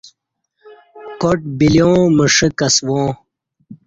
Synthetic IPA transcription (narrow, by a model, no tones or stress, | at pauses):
koʈ̚biljõːməʂəkɐswõː